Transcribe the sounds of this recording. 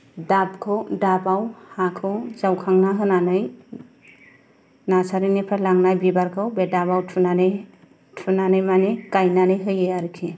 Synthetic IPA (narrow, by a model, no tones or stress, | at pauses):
dab̚kʰɯwdabawhakʰɯwzawkʰaŋnaɦɯnanɯj | nasaɾinepʰaɾlaŋnajbibaɾkʰɯwbɛdabawtʰunane | tʰunanɯjmanekajnanɯjɦɯjɯjaɾikʰi